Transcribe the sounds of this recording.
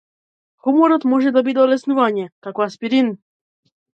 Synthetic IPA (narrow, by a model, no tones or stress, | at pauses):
xumɔɾɔt̪mwɔʒɛd̪ɔbid̪ɔlɛsnuvaɲɛkakwaspiɾin